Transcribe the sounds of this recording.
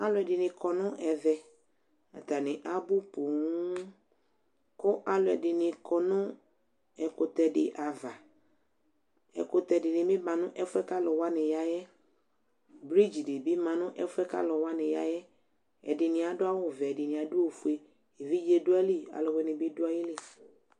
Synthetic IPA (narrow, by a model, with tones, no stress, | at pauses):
a˦lʊ˨˦ɛ˨dɪ˨nɪ̃˨kʰɔ˨nʊ̃˦ʔɛ˨vɛ˨ | a̰˨ta˨nɪ̃˨ʔa˦bʊ˦pʊ˨˦ | kʊ˦ʔa˦lʊ˨ɛ˨dɪ˨nɪ̃˨kɔ˨nʊ̃˦ | ɛ˨kʊ˨tɛ˨dɪ̰˨ʔa˨va˨ | ɛ̰˨kʊ˨tɛ˨dɪ˨nɪ̃˨mɪ̃˦bã˨nʊ̃˦ʔɛ˦fʊ˦ɛ˦ka˦lɔ˨wa˦nɪ̃˨ja˦jɛ˦ | bɾi˦d͡ʒi˨dɪ˨bɪ˦mã˨nʊ̃˦ʔɛ˦fʊ˦ɛ˦ka̰˦lɔ˨wa˦nɪ̃˨ja̰˨jɛ˦ | ɛ̰˨dɪ˨nɪ̃˨a˨dʊ˦a˦wʊ˦˨vɛ˨ɛ˨dɪ˨nɪ̃˨a˨dʊ˦o˦˨fu˨˦e˦˨ | e˨vi˦d͡ʒe˦dʊ˦a˦li˦a̰˨lʊ˨wɛ˦nɪ̃˨bɪ˦dʊ˦a˦jɪ˦lɪ˨